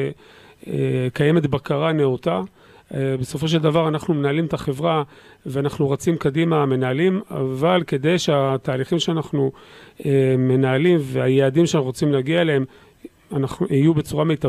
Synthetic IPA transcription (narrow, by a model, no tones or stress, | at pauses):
ekaje̞me̞t̪bakaʁaneot̪a | beso̞fo̞ʃ̬e̞ld̪avaʁanaχnume̞naːlimet̪aχe̞vʁa | veanaχnuʁot͡simkad̪imaːme̞naːlima̰valke̞d̪e̞jʃeat̪aːliχimʃeanaχnueme̞naalimveajeadimʃeanaχʁot͡simleaɡialeem | anaχuijube̞t͡suʁame̞jt̪a